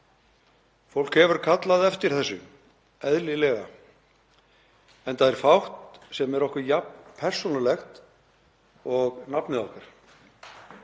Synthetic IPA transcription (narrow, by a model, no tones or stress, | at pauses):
fowlkhɛvʏɾ̥kʰat̪laðɛft̪ɪɾ̥θɛsːʏ̰ | ɛðlɪlɛɣa̰ | ɛnθaðɛɾ̥fawht̪sɛmɛɾɔhkʏɾjapnpʰɛr̥sunalɛxt̪ | ɔɣnapnɪðɔhkaɾ̥